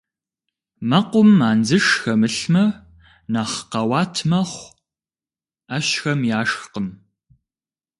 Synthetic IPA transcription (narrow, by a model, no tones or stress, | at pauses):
mɐqʷʊmːaːnd͡zɨʂxɐmɨɬmɐ | naːχqɐwɑːtʰmɐχʷ | aːɕxɐmjaːʂxqəm